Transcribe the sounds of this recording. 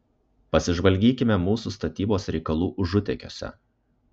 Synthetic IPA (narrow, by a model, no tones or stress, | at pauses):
pɐsʲɪʒʋɐlʲɡʲiːkʲɪmʲɛmuːsust̪ɐt̪ʲiːboːsɾʲɛɪkɐlˠuːʔʊʒʊt̪ʲɛkʲo̰ːsʲɛ̰